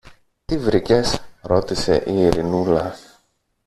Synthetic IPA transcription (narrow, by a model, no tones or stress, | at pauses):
t̪ivɾice̞sɾo̞t̪ise̞̰ʔiːɾinulɐ